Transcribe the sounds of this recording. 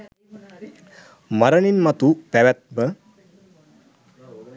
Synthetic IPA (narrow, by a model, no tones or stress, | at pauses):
mɐɾɐninmɐt̪upɛʋɛt̪̚bə